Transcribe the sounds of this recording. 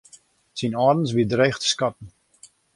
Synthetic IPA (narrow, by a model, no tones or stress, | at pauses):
sinɔːrən̩sbidreːxtskɑtən̩